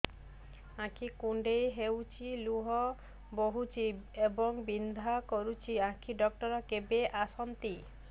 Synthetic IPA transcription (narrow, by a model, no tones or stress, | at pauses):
ãkʰikuɳɖejɦewt͡ʃʰiluɦɔ | boɦut͡ʃʰiebɔŋbind̪ʱakɔɾut͡ʃʰiãkʰiɖɔk̚ʈɔɾɔkebeʔasɔnt̪i